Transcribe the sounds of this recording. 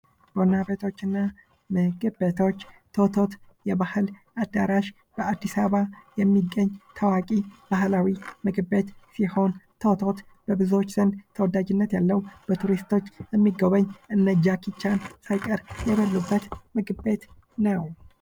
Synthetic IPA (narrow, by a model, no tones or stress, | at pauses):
b̥onabet̪ʰo̞t͡ʃːɨnːa | mɨɡɨbet̪ʰo̞t͡ʃːt̪ʰot̪ʰo̞t̪jɛbahɨlʔad̪ːaɾaʃ | b̥əad̪ːisaβajɛmːiɡːəɲːt̪ʰawakʼib̥ahlawimɨɡbe̞t̪siho̞nt̪ʰot̪ʰo̞t̪ | b̥əbɨzo̞t͡ʃːz̥ɨnd̪t̪ʰəwɔd̪ad͡ʒɪnːət̪jalːəwb̥ət̪ʰuɾist̪ʰo̞t͡ʃːjɛmːiɡəβəɲːʔɨnːəd͡ʒːakʰit͡ʃːansajkʼəɾjɛβəlːubːət̪mɨɡbe̞t̪ | nəw